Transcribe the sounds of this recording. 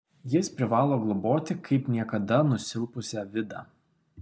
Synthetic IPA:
jɪspʲɾʲɪʋɑːlˠoːɡlˠɔboːt̪ʲɪkʰɐɪpnʲiɛkɐd̪ɐnʊsʲɪlˠpʊsʲɛʋʲɪd̪ɑː

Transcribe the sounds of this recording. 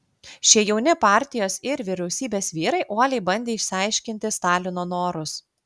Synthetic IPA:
ʃʲiɛjɛʊnʲɪpɑːˑɾʲt̪ʲɪjoːsɪɾʋʲɪɾʲɛʊsʲiːbʲeːsʋʲiːɾɐɪʔuɔlʲɛɪbɐnʲd̪ʲeːɪʃʲsʲɪɐɪʃʲkʲɪnʲt̪ʲɪst̪ɑːlʲɪnoːnoːɾʊs

